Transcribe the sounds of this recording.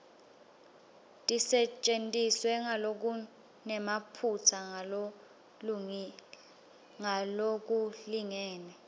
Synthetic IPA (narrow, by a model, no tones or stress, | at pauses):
tʼisɛt͡ʃʼentʼiswɛŋalok̬u | nɛmapʰut͡sʰaŋao | l | ŋalok̬ʼuliŋɛːnɛ